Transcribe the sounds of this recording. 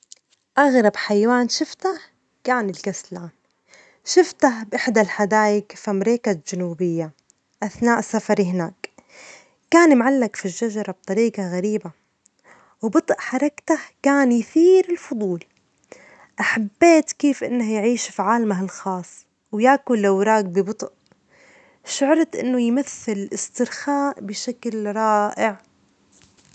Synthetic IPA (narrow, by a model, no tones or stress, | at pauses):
ʔaɣɾˤɑbħajwaːnʃɪft̪ah | kaːnɪlkaslaːn | ʃɪft̪ahbʔɪħd̪alħad̪aːjɪkfimɾeːkad͡ʒanuːbɪjːa | ʔaθnaːʔsafɑɾiɦɪna̰ːkː | aːnmʕalːakfiʒːaʒɑɾˤɑb̚t̪ˤɑɾiːqɑɣaɾiːba | wbɨt̪ˤʔħɑɾˤɑkt̪akaːnjθiːɾɪlfʊd̪ˤuːl | ʔaħabːeːt̪keːfʔɪ̰nːahjʕiːʃfiʕaːlmaɦɪlxɑːsˤː | wjaːkʊlːawɾˤaːk̚bɪbɨt̪ˤʔ | ʃʊʕɾˤɑt̪ʔɪ̰nːʊjmaθːɪlɪlʔɪst̪ɪɾxaːʔbɪʃaklɾˤɑːʔɪʕ